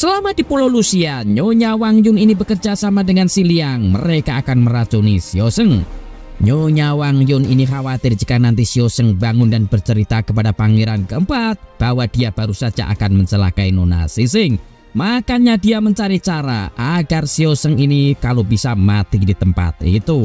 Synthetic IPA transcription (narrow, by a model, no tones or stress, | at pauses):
səlamad̥ipololusiaɲoɲawaŋjʊŋinibəkərd͡ʒasamadəŋansiliaŋmə̰ɾekaːkanməɾat͡ʃunisiosəŋ | ɲoɲawaŋjʊninixawat̪ɪrd͡ʒəkanant̪isiosəŋbaŋʊndanb̥ərt͡ʃəɾit̪akəpadapaŋeɾankəəmpat̪̚b̥awad̥iab̥aɾusḁd͡ʒa̰ʔa̰kanməɲt͡ʃəlakainona̰sisɪŋ | makaɲadijaməɲt͡ʃaɾit͡ʃaɾa̰ʔaɡarsiosəŋinikalobisamat̪idit̪əmpa̰t̪̚ḭt̪u